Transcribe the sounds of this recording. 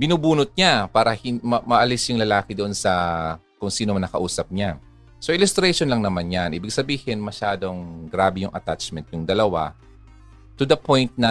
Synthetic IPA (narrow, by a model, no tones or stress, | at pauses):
bɪnuːbuːnʊt̪̚ɲapaːɾɐhɪmɐmɐʔɐlɪsjʊŋlɐlaːkɪd̪oʔonsɐ | kʊŋsiːnomɐŋnɐkɐʔuːsɐp̚ɲa | soʔɪlʊst̪ɾɛʃonlɐŋnɐmanjanʔiːbɪɡsɐbiːhɪnmɐʃaːd̪oŋɡɾaːbɛjʊŋʔɐ̰t̪at͡ʃmɛnt̪̚jʊŋd̪ɐlɐwa̰ | t̪ʊd̪ɐpojnt̪̚nɐ